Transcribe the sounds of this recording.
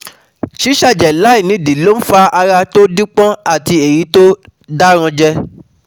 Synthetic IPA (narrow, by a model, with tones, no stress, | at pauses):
ʃi˦ʃa˦˨d͡ʒɛ˨la˨˦i˦˨nĩ˨˦˨di˨˦lo˦n̩˦fa˧a˧ɾa˧to˦di˦k͡pɔ̃˦a˦˨ti˧e˨ji˨˦to˦ | da˦ɾ̃ã˧d͡ʒɛ˧